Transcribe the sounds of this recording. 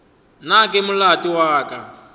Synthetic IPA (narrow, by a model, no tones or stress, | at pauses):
nakʼɛmulatʼiwaːkʼa